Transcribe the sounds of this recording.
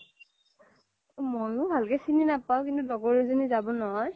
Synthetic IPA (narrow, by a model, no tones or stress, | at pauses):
mɔnʊbʱalkɛsininapaʊkintudɔɡɔɹezɔnizabɔnɔɦɔj